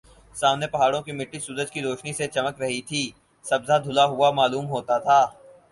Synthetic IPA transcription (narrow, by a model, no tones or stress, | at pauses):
saːmnepɐɦaːɽõkimɪʈːisuːɾəd͡ʒkiɾoːʃniset͡ʃɐməkɾɐɦit̪ʰiː | sɐbzad̪ʱʊlaɦʊamaːluːmɦoːt̪at̪ʰaː